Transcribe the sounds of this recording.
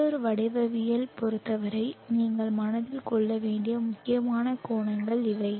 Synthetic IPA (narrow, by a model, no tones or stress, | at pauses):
ɔɾɯʋɐɽɐɪʋɐʋɪjɐlpɔɾɯt̪ːɐʋɐɾɐɪniːŋɡɐɭmɐnɐðɪlkɔɭːɐʋeːɳɖɪjɐmʊkːɪjɐmaːnɐkoːnɐŋɡɐɭɪʋɐɪ